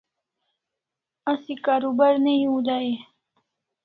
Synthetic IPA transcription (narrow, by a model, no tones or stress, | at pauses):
asikaːɾubaɾneiud̪ae